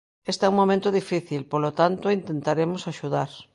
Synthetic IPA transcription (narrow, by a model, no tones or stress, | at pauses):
est̪ɛuŋmõmẽnt̪oðifiθilpolot̪ant̪oint̪ent̪aɾemosaʃuðaɾ